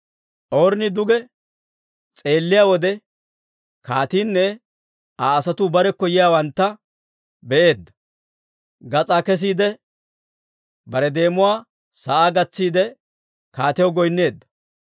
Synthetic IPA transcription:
ʔoːɾnɪd̪ʊɡɛ | t͡sʼe̞ːlːɪjaːwɔd̪ɛ | kaːt̪iːnːɛ | aːsɐt̪ʊbɐɾɛkːɔjɪjaːwɐnt̪ːɐ | bɛʔeːd̪ːɐ̥ | ɡɐt͡sʼaːkɛs̬iːd̪ɛ | bɐɾɛd̪e̞ːmʊwaː | sɐʔaːɡɐt͡sːiːd̪ɛ | kaːt̪ɛjɔɡɔjnːe̞ːd̪ːɐ̥

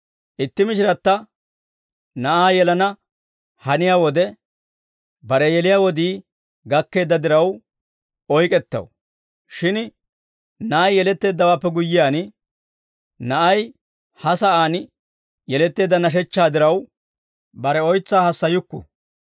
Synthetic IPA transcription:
ʔɪt̪ːɪmɪʃɪɾɐt̪ːɐ | nɐʔaːjɛlɐnɐ | hɐnɪjaːwɔd̪ɛ | bɐɾɛjɛlɪjaːwɔd̪iː | ɡɐkːe̞ːd̪ːɐd̪ɪɾɐw | ɔjkʼɛt̪ːɐ̰w | ʃɪn | nɐʔɐjːɛlɛt̪ːe̞ːd̪ːɐwaːpːɛɡʊjːɪjaːn | nɐʔɐj | hɐsɐʔaːn | jɛlɛt̪ːe̞ːd̪ːɐnɐʃ̬ɛt͡ʃːaːd̪ɪɾɐw | bɐɾɛɔjt͡sːaːhɐsːɐjʊkːʊ̰

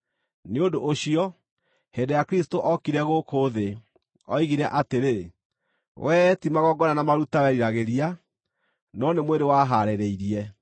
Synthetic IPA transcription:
neodoʔːɕiɔ | hendejakɾistoʔɔkiɾɛɣokoðe | ɔ̰iɣiɾɛʔateɾe | wʔɛtimaɣɔɡɔnanamaɾutawɛɾiɾaɣeɾia | nɔnemweɾewaɦaɾeɾeiɾiɛ

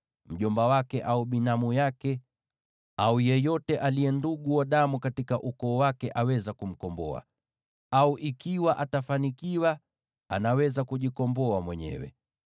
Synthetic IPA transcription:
m̩ʄɔmbawakɛʔauɓinamujakɛ | aujɛjɔtɛʔalijɛnduɡuwaɗamukatikaʔukɔːwakɛʔawɛzakum̩kɔmbɔ̰a̰ | auʔikiwaʔatafanikiwa | a̰nawɛzakuʄikɔmbɔamwɛɲɛ̰wɛ̰

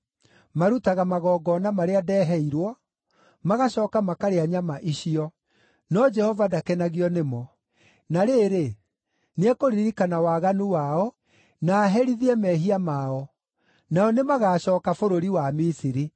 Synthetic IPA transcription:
maɾutaɣamaɣɔːɡɔnamaɾeadɛːɦɛiɾwɔ | maɣaɕɔːkamakaɾeaɲamaʔiɕiɔ | nɔd͡ʒɛhɔvadakɛnaɣiɔnemɔ | naɾeːɾe | neɛkoɾiɾikanawaːɣanuwaɔ | naːɦɛɾiðiɛmɛɦiamaɔ | naɔnemaɣaːɕɔːkafoɾoɾiwamisiɾi

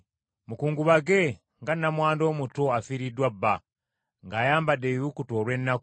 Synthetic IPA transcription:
mukuːŋɡuβaɡe | ŋɡanːamwaːndo̞mutoafiɾidwabːa | ŋɡaːjaːmbadejukuto̞ːɾwe̞nːak

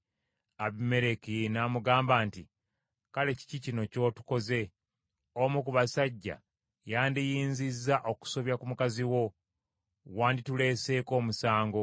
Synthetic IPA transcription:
aβime̞ɾe̞kinaːmuɡaːmbaːnti | kale̞ci̥cicino̞co̞ːtu̥ko̞ze̞ | omukuβasaɟːa̰ | jaːndijiːnzizːaʔo̞ku̥so̞βjakumukaziwo̞ | waːnditule̞ːse̞ːko̞ːmusaːŋɡo̞

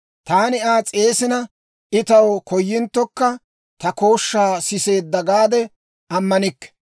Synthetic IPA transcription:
t̪aːnɪaːt͡sʼe̞ːsɪnɐ | ʔɪt̪ɐwkʰɔjːɪnt̪ːɔkːɐ | t̪ɐko̞ːʃːaːsɪse̞ːd̪ːɐɡaːd̪ɛ | ʔɐmːɐnɪkːɛ̥

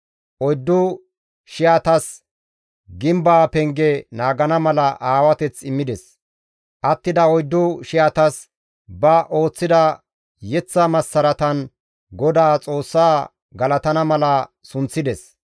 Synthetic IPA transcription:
ʔɔjd̪ːʊ | ʃɪjat̪ɐs | ɡɪmbaːpɛŋɡɛnaːɡɐnɐmɐlɐʔaːwɐt̪ɛt͡sːɪmːɪd̪ɛs | ʔɐt̪ːɪd̪ɐɔjd̪ːʊʃɪjat̪ɐs | bɐʔo̞ːt͡sːɪd̪ɐ | jɛt͡sːɐmɐsːɐɾɐt̪ɐn | ɡɔd̪aːt͡sʼo̞ːsːaː | ɡɐlɐt̪ɐnɐmɐlɐsʊnt͡sːɪd̪ɛs

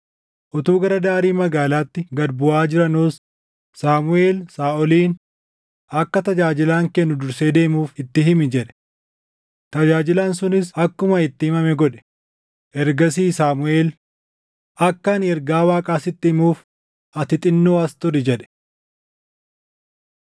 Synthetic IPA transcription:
ʔʊt̪uːɡɐɾɐd̪aːɾiːmɐɡaːlaːt̪ːɪɡɐd̪bʊaːd͡ʒɪɾɐnuːs | saːmʊe̞ːlsaːʔɔliːn | ʔɐkːɐt̪ɐd͡ʒaːd͡ʒɪlaːŋkɛnːʊd̪ʊɾseːd̪e̞ːmuːfɪt̪ːɪɦɪmɪd͡ʒɛᶑɛ̥ | t̪ɐd͡ʒaːd͡ʒɪlɐnsʊnɪsɐkːʊmɐɪt̪ːɪhɪmɐmɛɡɔᶑɛ̥ | ʔɛɾɡɐsiːsaːmʊe̞ːl | ɐkːɐnɛɾɡaːwaːkʼaːsɪt̪ːɪhɪmuːf | ʔɐt̪ɪt̪ʼɪnːoːɐst̪ʊɾɪd͡ʒɛᶑɛ̥

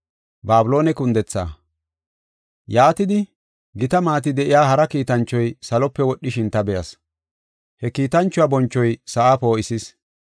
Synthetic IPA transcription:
baːbʊlo̞ːnɛkʊnd̪ɛt͡sːa̰ː | jaːt̪ɪd̪ɪ | ɡɪt̪ɐmaːt̪ɪd̪ɛʔɪjaːɦɐɾɐkiːt̪ɐnt͡ʃːɔjsɐlɔpːɛwɔɗːɪʃɪnt̪ɐbɛjɐ̰s | hɛkiːt̪ɐnt͡ʃːʊwaːbɔnt͡ʃːɔjsɐʔaːpo̞ːɪsɪs

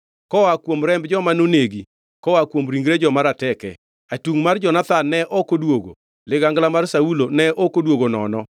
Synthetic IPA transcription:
kɔakwomɾɛmbd͡ʒɔmanoneɡi | kɔakwomɾiŋɡɾed͡ʒɔmaɾatɛkɛ | atuŋmard͡ʒɔnat̪anːɛʔɔkodwoɡo̰ | lɪɡaŋɡlamarsaulonɛʔɔkodwoɡonɔ̰nɔ

